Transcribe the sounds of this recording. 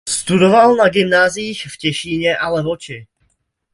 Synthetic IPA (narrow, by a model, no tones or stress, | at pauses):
st̪udo̞valnaɡɪmnaːziːxfcɛʃiːɲɛʔalɛvot͡ʃɪ